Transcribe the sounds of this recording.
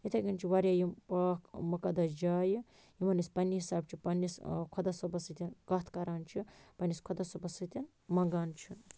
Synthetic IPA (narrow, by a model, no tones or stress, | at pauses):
it̪ʰɐɡʲint͡ʃʰiʋɐɾʲjaːjimpaːkmɐkɐd̪ɐd͡ʒaːji | jimɐnispɐnʲːiɦisaːb̚t͡ʃʰipɐnʲːiskʰod̪ɐsobɐsɨt̪ʲinkɐt̪ʰkɐɾaːnt͡ʃʰipɐnʲiskʰod̪ɐsobɐsɨt̪ʲin | mɐŋɡaːnt͡ʃʰi